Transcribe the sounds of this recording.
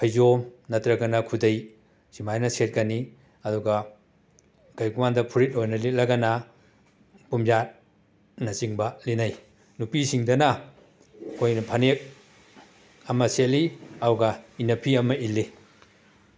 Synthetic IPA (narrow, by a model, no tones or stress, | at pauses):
pʰɐjzomnɐtɾɐɡɐnɐkʰudej | simajnɐset̚kɐni | ɐduɡɐ | ɡ̥ɐjkumandɐpʰuɾit̚ojnɐlit̚lɐɡɐnɐ | pumzat̚ | nɐsiŋbɐlinɐj | nupisiŋdɐnɐ | kʰojnɐpʰɐnek̚ | ɐmɐseliauɡɐinɐpʰiɐmɐʔilːi